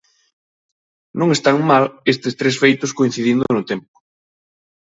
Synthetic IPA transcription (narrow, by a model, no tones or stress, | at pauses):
nõŋest̪aŋmalest̪ɪst̪ɾesfejt̪ʊskoin̟θiðind̪ʊnʊt̪ɛmpʊ̥